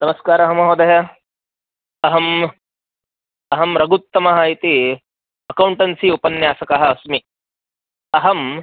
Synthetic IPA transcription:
nɐmɐskaːɾɐɦɐmɐɦoːd̪ɐjɐ | ɐɦɐm | ɐɦɐmɾɐɡut̪ːɐmɐɦaːit̪i | ɐkɐwɳʈɐnsiupɐnjaːsɐkɐɦɐ̆smi | ɐɦɐm

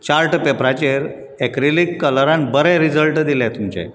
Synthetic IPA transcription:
t͡ɕaɾʈəpepɾat͡ɕeɾ | ɛkɾilikːələɾãnbəɾɛ̃ɾid͡zəlʈd̪ilɛ̃t̪umt͡ɕḛ

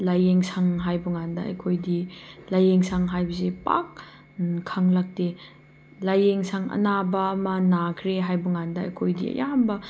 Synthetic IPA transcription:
lajeŋsaŋɦajbuŋandɐɐ̰jkʰojdilajeŋsaŋɦajbɐsepa̰k̚ | kʰaŋlak̚te | lajeŋsaŋɐ̰nabɐmɐnakʰɾeɦajbuŋandɐɐ̰jkʰojdḭɐ̰jambɐ

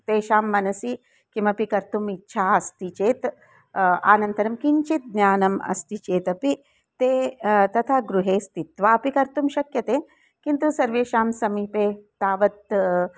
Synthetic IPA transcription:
t̪eːʃaːmːɐnɐsi | kimɐpikɐɾt̪umitːʃʰaːɐst̪it͡ʃeːt̪ | a̰ːnɐnt̪ɐɾɐmkiɲt͡ʃit̪̚ɡnjaːnɐmɐ̰st̪it͡ʃeːt̪ɐpi | t̪eːt̪ɐt̪ʰaːɡɾuɦeːst̪it̪ʋaːɐpikɐɾt̪umʃɐkjɐt̪eː | kint̪usɐɾʋeːʃaːmsɐmiːpeːt̪aːʋɐt̪

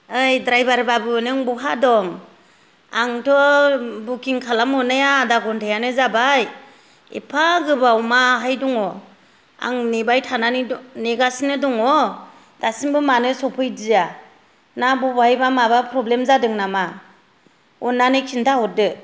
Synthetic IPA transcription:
ɯjdɾajbaɾbabɯnɯŋbuɦadɔŋ | aŋtʰɔbukʰiŋkʰalamɔnɯjaːdaɡɔntʰajanɯzabaj | ḛpʰaɡɯbawmaɦajdɔŋɔ | a̰ŋnebajtʰananineɡasnɯdɔŋɔ | d̥asiŋbɯmanɯsɔpʰɯjdija | nabɔbajbamabapʰɾɔblemzadɯŋnama | ɔnːanɯkʰintʰahɔdɯ

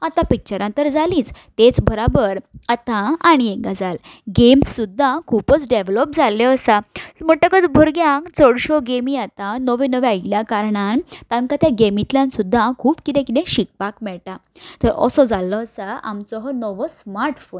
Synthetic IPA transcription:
at̪ãpik̚t͡ɕəɾãnt̪əɾd͡zalĩːt͡st̪et͡sbəɾabəɾat̪ãaɽ̃ieɡad͡zal | ɡemsːud̪ʱːãkʰupət͡sɖeʋlɔp̚d͡zaljɔːsam̤əʈəkət̪bʱoɾɡjãkt͡səɽɕɔɡemiat̪ãnəʋenəʋeailjakaɾɳant̪ãŋkat̪jaɡemit̪ljãnsud̪ʱːãkʰuːpkit̪ɛ̃kit̪ɛ̃ɕik̚pakmɛɭʈa | t̪əɾɔ̰sɔd͡zalːɔːsaa̰mt͡sɔɦɔnəʋəsmaɾʈfon

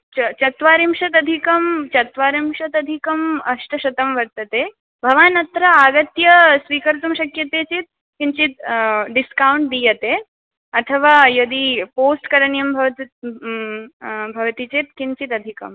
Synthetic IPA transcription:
t͡ʃt͡ʃɐt̪ʋaːɾimʃɐt̪̬ɐd̪ʱikɐmt͡ʃɐt̪ʋaːɾimʃɐt̪ɐd̪ʱikɐmɐʂʈɐʃɐt̪ɐmʋɐɾt̪ɐt̪eː | bʱɐʋaːnɐt̪ɾɐaːɡɐt̪jɐsʋiːkɐɾt̪umʃɐkjɐt̪eːt͡ʃit̪̚ | kint͡ʃit̪ɖiskawɳʈ̚d̪iːjɐt̪eː | ɐt̪ʰɐʋaːjɐd̪ipoːsʈkɐɾɐɳjɐmbʱɐʋt̪ | bʱɐʋɐt̪it͡ʃit̪kint͡ʃit̪ɐd̪ʱikɐ̰m

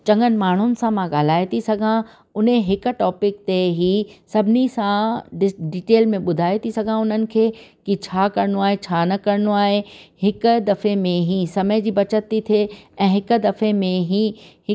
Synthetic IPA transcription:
t͡ɕɐ̃ŋɡənɪ̆maːɳ̤ʊnɪ̆sãmãɠaːl̤aːet̪ʰisɐɡʱã | ʊnẽɦɪk̆ʈɔːpɪkt̪eɦiːsɐbʱɪnisãɪɖiːʈeːlmẽɓʊd̪ʱaːet̪ʰisɐɡʱãʊn̤ənɪ̆kʰeːkit͡ɕʰaːkɐɾnoaːɦet͡ɕʰaːnɐkɐɾnoaːɦehɪkʊ̆d̪ɐfemẽɦisɐməɪd͡ʑiːbɐt͡ɕət̪ːit̪ʰeɛ̃ːɦɪk̆d̪ɐfemẽɦihɪ

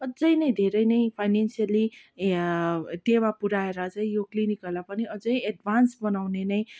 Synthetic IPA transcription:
ʌd͡zʌjnʌj̃d̪ʱeɾʌjnʌjpʰajnensiali | t̪ewapuɾaeɾʌt͡saĩjoklinikʌlapʌniʌd͡zʌjeɖbʱansbʌnawnenʌj̃

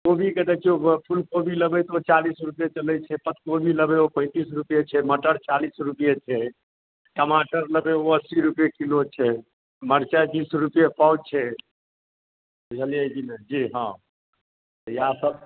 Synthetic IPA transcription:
kobʱikət̪ɛt͡ʃʰiopʰulkobʱiləbɛt̪ot͡ʃalisɾupjet͡ʃəlɛt͡ʃʰɛpət̪̚kobʱiləbeopə̃ɪ̃t̪isɾupjet͡ʃʰɛməʈəɽt͡ʃalisɾupjet͡ʃʰɛ | kəmaʈəɾləbeoəsiɾupjekilot͡ʃʰɛ | məɾt͡ʃab̪isɾupjepaud̪̚t͡ʃʰɛ | bud͡ʒʱəljəd͡ʒined͡ʒiɦã̰ | t̪jasəb

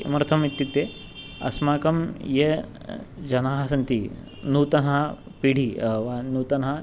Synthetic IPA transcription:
mɐɾɐt̪ʰɐmʋit̪jut̪e | ɐ̰smaːkɐmje | d͡ʒɐnaːɦɐsɐnt̪i | nuːt̪ɐnɦa | piɽ̤ʱiʋanuːt̪ɐnɦɐ

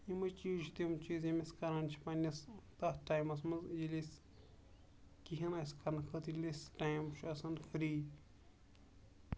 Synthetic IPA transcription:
jimɐt͡ʃiːʒt̪imt͡ʃiːzimɐskɐɾɐnt͡ʃʰi̥pɐnʲɐst̪ɐhʈajmɐsmɐzd͡ʒilʲis | kiɦɐnɐskɐnkʰət̪lʲisʈajmʃʰɐsɐnkʰɨɾiː

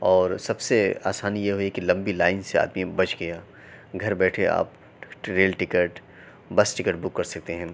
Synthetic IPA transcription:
ɔːɾsɐbsea̰ːsaːnijeɦoikilɐ̃mbilaːɪnsea̰ːd̪mibɐt͡ʃɡɐjaː | ɡʱɐɾbɛːʈʰea̰ːp | ʈɾeːlʈɪkəʈ | bɐsʈɪkəʈbʊkːɐɾsɐk̚t̪eɦɛ̃

